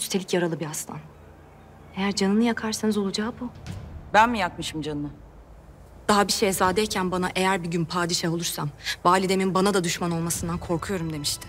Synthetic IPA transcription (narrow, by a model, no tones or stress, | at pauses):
yst̪ʰeicjaɾalˠɯbiast̪ʰa̰n | e̞jæɾd͡ʒanɯnɯjakʰaɾsanɯzo̞lˠud͡ʒaːbubænmijak̚mɯʃɯmd͡ʒanɯɯ | d̪̥aɦabiʃejzaːd̪ɛjcʰænbanaʔe̞jæɾbiɟynpʰaːd̪iʃaɦo̞lˠuɾsamvaːlʲid̪e̞minbanad̪ad̪yʃmano̞lˠmasɯnd̪ankʰo̞ɾkʰujo̞ɾumd̪e̞miʃt̪ʰɪ̥